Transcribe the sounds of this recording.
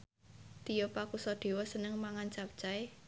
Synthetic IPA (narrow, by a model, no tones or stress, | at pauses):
t̪ijɔpakusɔd̪̥e̤wɔsənəŋmaŋant͡ʃap̚t͡ʃae